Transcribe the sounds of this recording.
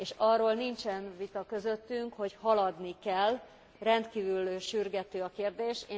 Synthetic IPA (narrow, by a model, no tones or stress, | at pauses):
eːʃɒrːoːlnint͡ʃɛnvit̪ɒkø̞zøt̪ːyŋkho̞chɒlɒd̪nikɛl | rɛnt̪kiːvylʃyrɡɛt̪øːɒkeːrd̪eːʃeː